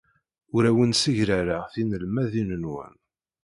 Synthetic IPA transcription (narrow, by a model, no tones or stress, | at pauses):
ʊɾæwənsəʝɾæɾaʁθinəlmæðinənwæ̰n